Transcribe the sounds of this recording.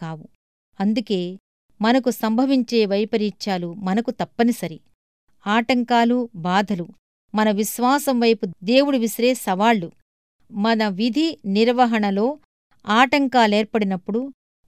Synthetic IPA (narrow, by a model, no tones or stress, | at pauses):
kaːʋu | ɐnd̪uke̞ː | mɐnɐkusɐmbʱɐʋiɲt͡ʃe̞ːʋɐjpɐɾiːt͡ʃaːlumɐnɐkut̪ɐpːɐnisɐɾi | aːʈɐŋkaːlubaːd̪ʱɐlu | mɐnɐʋiʃʋaːsɐmʋɐjpud̪e̞ːwuɽuʋisɾe̞ːsɐʋaːɭːu | mɐnɐʋid̪ʱiniɾʋɐɦɐɳɐlo̞ː | aːʈɐŋkaːle̞ːɾpɐɽinɐpːuɽu